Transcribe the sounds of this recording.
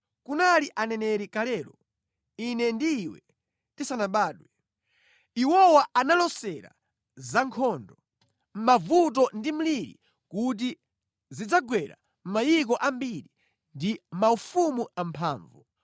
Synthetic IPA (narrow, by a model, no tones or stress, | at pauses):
kunaliʔanɛnɛɾikalɛːɾɔ | inɛndiːwɛ̰ | tisanaɓaːɗwɛ | iwɔwaanalɔsɛɾa̰ | zaŋkʰɔːndɔ | m̩mavut̬ɔndim̩liɾḭ | kut̬i | zid͡zaɡwɛɾa̰ | m̩majik̬ɔʔambiɾi | ndim̩maufumuʔampʰaːɱvu